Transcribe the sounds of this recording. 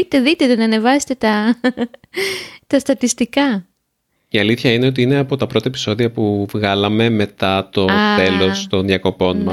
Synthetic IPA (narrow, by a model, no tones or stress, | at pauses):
it̪eðit̪e̞t̪enɐːne̞vɐse̥t̪et̪ɐ | t̪ɐst̪ɐt̪ist̪ikɐ | iɐliθçɐine̞o̞t̪iine̞ɐpo̞t̪ɐpɾo̞t̪ɐepiso̞ðiɐpuvɣɐlɐme̞me̞t̪ɐt̪o̞t̪e̞lo̞st̪o̞nðjɐko̞po̞nmɐ